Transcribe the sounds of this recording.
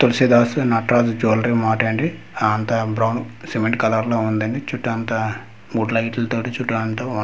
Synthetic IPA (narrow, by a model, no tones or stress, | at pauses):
t̪olisid̪aːsunɐʈɾaːsd͡ʒoːlɾimaːʈɐːɳɖi | ant̪ɐbɾɐwnsemeɳʈkɐlaɾloːund̪ɐɳɖit͡ʃuʈːaːnt̪ɐ | muɽlɐiʈlɐt̪oːʈɐt͡ʃuʈːant̪oːu